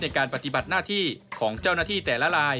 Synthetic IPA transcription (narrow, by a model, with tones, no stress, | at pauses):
na˧jkaː˧npa˧t̪i˧ba˨˩t̪̚naː˥˩t̪ʰiː˥˩kʰɔː˩˦ŋt͡ɕa˥˩wnaː˥˩t̪ʰiː˥˩t̪ɛː˨˩la˦˥ɾaː˧j